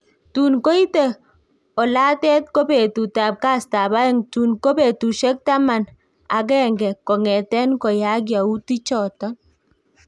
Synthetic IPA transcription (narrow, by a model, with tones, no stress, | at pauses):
tu˨nko˦i˦te˨ | ɔ˨la˦tɛ˦t̚ko˦be˨tu˨ta˨p̚ka˦sta˨ba˦ɛ˦ŋtu˨nko˦be˨tu˨ʃɛ˦k̚ta˦ma˨n | a˨k̬ɛ˦˨ŋɡɛ˨kɔ˨ŋɛ˨tɛ˦nkɔ˨ja˦ɡ̬ja˨u˦ti˦t͡ʃɔ˨tɔ˦n